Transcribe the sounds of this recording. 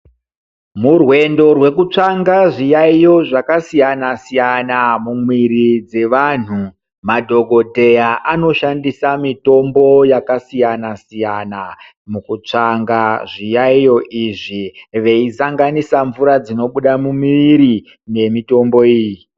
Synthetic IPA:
murwe̞ndo̞rwe̞kut͡ʂaŋɡaʐijaijo̞ʐakasijanasijanamumwirid͡ze̞ʋan̤u | madʱo̞ɡʱo̞dʱe̞jaʔano̞ʃandisamito̞mbo̞jakasijanasijana | mukut͡ʂaŋɡaʐijaijo̞ʔiʐiʋe̞isaŋɡanisaɱvuɾad͡zino̞ɓuɗamumiiɾi | ne̞mito̞mbo̞iːji

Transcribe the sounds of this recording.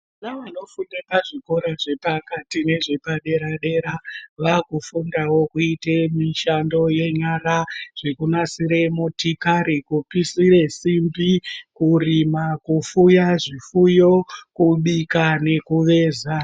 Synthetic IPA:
anaʋano̞fundepaʐiko̞ɾaʐe̞pakatine̞ʐe̞paɗe̞ɾaɗe̞ɾaʋakufundawo̞kuitemiʃando̞je̞ɲaɾaʐ̥e̞kunasiɾe̞motikaɾikupisiɾe̞simbikurimakufujaʐifujo̞kuɓikane̞kuʋe̞ːza

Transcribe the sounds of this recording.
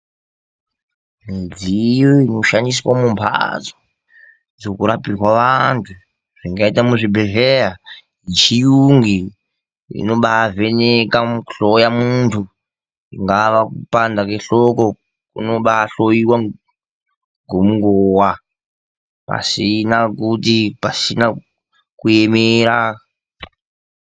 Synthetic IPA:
mid͡zijoinoʃanis̬wamumpʰa̰d͡zo | d͡zokuɾapiwaʋantʰu | ʐ̥iŋɡaitamuʐibʱeɮeɦa | it͡ʃijuŋɡi | ḭnoɓaːvenekamɬojamuntʰu | iŋɡaʋakupandakeɬoko | kṵnoɓaːɬojiwa | ŋɡomuŋɡowa | pa̰sinakutipasina | kujemeɾa

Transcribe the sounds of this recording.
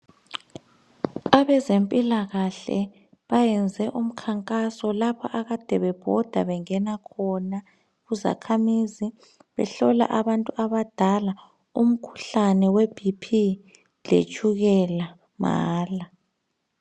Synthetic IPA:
aβɛzempʼilaɣaɬɛ̰ | βajɛnd͡zʱɛʔum̩kʰaŋkʼasɔlapʰɔʔaɣad̥ʱɛβɛb̥ʱɔd̥ʱa̰βɛŋɛnakʰɔna | ɣuza̰kʰamizi | βɛ̰ɬɔla̰ʔaβantʼuaβad̥ʱala | um̩kʰu̥ɬanɛweb̥ʱipʰi | ɮʱḛt͡ʃʼuɣɛla | ma̰ːla

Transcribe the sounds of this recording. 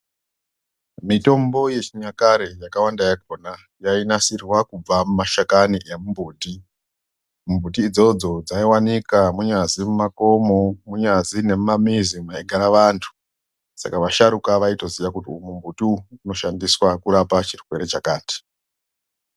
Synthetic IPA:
mito̞mbo̞je̞t͡ʃiɲakaɾejakawandajak̚ona | jainasirwakub͡vamumaʃakaniʔemumbʱuːti | mumbʱut̬iːd͡zo̞d͡zo̞d͡zaiwanikamuɲazimumako̞momuɲazine̞mmamizimwaiɡʱaɾaʋantʰu̥ | sa̰kaʋaʃaɾukaʋaito̞ziʋakutiumumbutiuno̞ʃandiswakuɾapat͡ʃirwe̞ɾe̞t͡ʃakaːti̥

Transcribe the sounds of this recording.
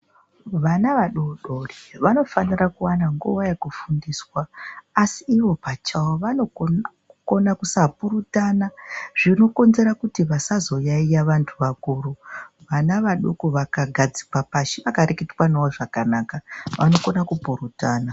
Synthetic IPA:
ʋanaʋaɗoɗoriʋano̞fanirakuwanaŋɡuwajekufundiːswaːsiːʋo̞pat͡ʃawoʋano̞ | ko̞nakusapuɾutanaʐ̥ino̞ko̞nze̞ɾakutiʋasazo̞jaijaʋantʰuʋakuːruʋanaʋaɗokoʋakaɡʱad͡zi̥kwapaʃiʋakaɾeketwanawoʐakanaːkaʋa̰no̞ko̞nakupuɾutaːna

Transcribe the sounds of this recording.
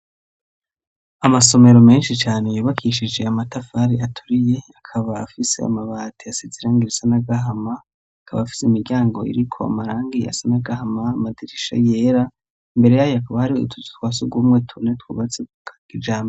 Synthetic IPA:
amaso̞me̞ɾo̞meːnʃit͡ʃaːne̞juːβakʰiʃid͡ʒe̞amatafaɾiʔatʰuɾije̞akʰaβaːfise̞̰a̰maβaːtʰiasiziɾaːŋɡiɾasanaɡaɦamaː | kʰaβafi̥seimiɾɟaːŋɡo̞ḭɾikʰo̞̰a̰maɾaːŋɡia̰sanaɡahamaːmadiɾiʃa̰jeɾa | mbe̞ɾe̞jajoakaβahaɾiṵtʰutu̥twaːsuɡuumŋetʰunetkṵβat͡sekukʰakid͡ʒaːmbo

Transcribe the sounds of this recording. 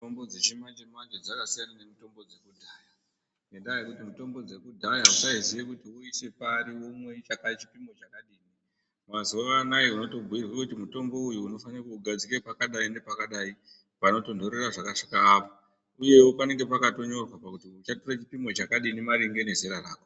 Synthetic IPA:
ombod͡zet͡ʃimand͡ʒemand͡ʒed͡zakasijanane̞mito̞mbo̞d͡ze̞kudʱaja | nendajekutimito̞mbo̞d͡ze̞kudʱajausaiziʋekutiuise̞paɾiomwe̞it͡ʃakait͡ʃi̥pimo̞t͡ʃakaɗiːni | mazoʋanajeuno̞to̞bʱuirwekutimuto̞mbo̞ujuːno̞fanirakuuɡʱad͡zike̞pakaɗaindepakaɗai | pano̞to̞ndo̞ɾe̞raʐakaʂi̥kaːpo | uje̞wopane̞ŋɡe̞pakato̞ɲo̞rwapakutiut͡ʃatoret͡ʃipimo̞t͡ʃakaɗinimaɾiŋɡe̞ne̞zeɾaraːko

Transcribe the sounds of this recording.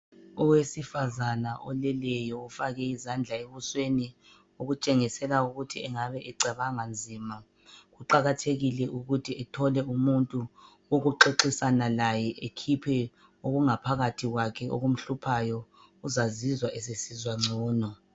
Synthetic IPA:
ɔwesifazanaʔɔlɛlɛjɔufaɣɛizand͡ɮʱaeβusweni | oɣut͡ʃʼeŋisɛlauɣutʰiɛŋaβɛʔɛǀaβaŋand͡zʱiːma | ɣuǃaɣatʰeɣilɛʔuɣutʰiɛtʰɔlɛumuntʼu | oɣuǃeǁisanalajɛʔekʰipʰɛ | oɣuŋapʰaɣatʰiɣwakʰɛo̰ɣum̩ɬupʰajɔ | uzazizwaʔesesizwaŋ͡ǀʱɔːnɔ

